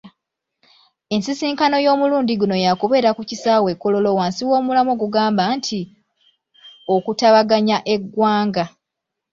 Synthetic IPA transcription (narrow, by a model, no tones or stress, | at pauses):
e̞nsisiːŋkano̞jo̞ːmuluːndiɡuno̞jakuβe̞ːɾakucisaːwe̞kːolo̞lo̞waːnsiwo̞ːmulamoɡuɡaːmbantʰi | okutaβaɡaɲaʔe̞ɡwaːŋɡa